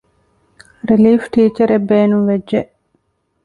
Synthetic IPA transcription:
ɾiliːfʈiːt͡ʃɐɾebːeːnuʋed͡ʒʒeʔ

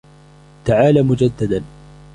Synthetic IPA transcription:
t̪aʕaːlaːmʊd͡ʒad̪ːad̪an

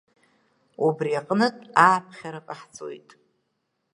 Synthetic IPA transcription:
ubriaqʼnɨtʼaːpʰχʲaɾakʼaħt͡sʼo̰jtʼ

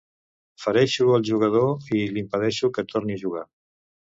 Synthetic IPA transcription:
fəɾɛʃuəlˠʒuɣ̞əð̞oilimpəðɛʃukət̪ʰoɾniəʒuɣa

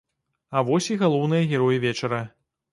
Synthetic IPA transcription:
avɔsʲiɣalˠɔwnɨjɐɣʲɛɾɔjivʲɛt͡ʂɐɾɐ

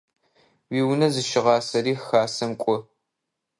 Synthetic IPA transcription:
wiːwnɐzɨʃɪʁɑːsɐɾiːxaːsɐmkʷʼʊ

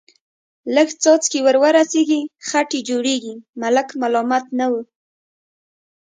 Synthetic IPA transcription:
ləɡt͡sɔt͡skewəɾwəɾaseɡixaʈed͡ʒoɽeɡimalakmalɔmat̪nawu

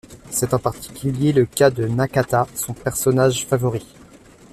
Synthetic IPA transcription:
sɛt̪ɑ̃paʁt̪i̥kʲyljeləkad̪ənakat̪asɔ̃pɛʁsɔnaʒfavɔʁi

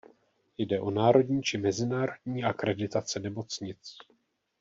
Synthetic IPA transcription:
jdɛʔo̞naːɾo̞dɲiːt͡ʃɪmɛzɪnaːɾo̞dɲiːakɾɛdɪt̪at͡sɛnɛmo̞t͡sɲɪt͡s

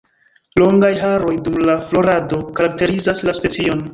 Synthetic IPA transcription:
lo̞ŋɡajɦaɾo̞jdumlaflo̞ɾado̞kaɾak̚te̞ɾizaslaspe̞t͡sio̞n

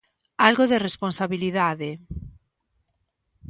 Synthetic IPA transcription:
alɣoðeresponsaβiliðaðe

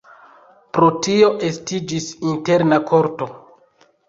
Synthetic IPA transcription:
pɾo̞tio̞ʔestid͡ʒisinte̞ɾnakʰo̞ɾto̞

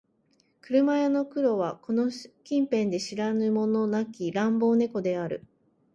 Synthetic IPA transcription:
kɯ̟ɾɯ̟majano̞kɯ̟ɾo̞βako̞no̞kʲĩmpẽ̞nd̪e̞ɕiɾanɯ̟mo̞no̞nakʲiɾãmbo̞ːne̞ko̞d̪e̞aɾɯ̰

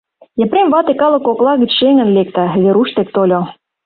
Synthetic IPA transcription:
jĕpɾemvɑt̪ekɑlɤ̆koklɑɣə̆t͡ɕʃeŋə̆nlek̚t̪æβeɾuʃt̪ek̚t̪olʲo

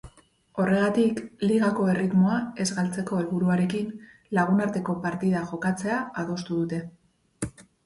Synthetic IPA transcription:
o̞re̞ɣat̪ikliɣako̞e̞rit̪moae̞zɣalt͡se̞ko̞e̞lβuɾuaɾe̞kin | laɣ̞unaɾt̪e̞ko̞paɾt̪iðaʝo̞kat͡se̞aaðo̞st̪uðut̪e̞

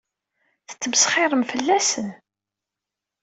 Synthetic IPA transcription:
θə̥t͡sːəmsχɪɾˤəmfəlːæsən

